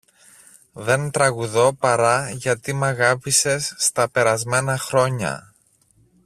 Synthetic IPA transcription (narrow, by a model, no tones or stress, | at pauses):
ðe̞nt̪ɾɐɣuðo̞pɐɾɐʝɐt̪imɐɣɐpise̞sːt̪ɐpe̞ɾɐzme̞nɐxɾo̞ɲɐ̰